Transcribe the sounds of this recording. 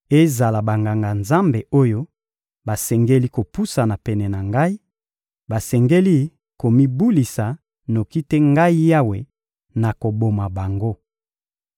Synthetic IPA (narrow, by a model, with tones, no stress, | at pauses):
e˦za˨la˨ba˨ŋɡa˨ŋɡa˨nza˦mbe˨o˦jo˦ | ba˨sɛ˨ŋɡe˦li˦ko˨pu˦sa˨na˨pɛ˨nɛ˨na˨ŋɡa˦i˦ | ba˨sɛ˨ŋɡe˦li˦ | ko˨mi˦bu˦li˨sa˨ | no˨ki˦te˦ŋɡa˦i˦ja˦we˨ | na˨ko˨bo˨ma˨ba˨ŋɡo˦